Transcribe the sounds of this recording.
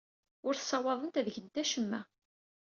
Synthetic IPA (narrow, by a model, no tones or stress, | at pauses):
ʊɾθsːɑwɑðˤənt̪æðʝənt̪æʃəmːæ